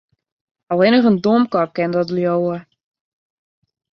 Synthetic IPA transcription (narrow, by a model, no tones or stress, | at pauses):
ɔlˠɪnəχəndoəmkɔp̚kɛndɔtljowə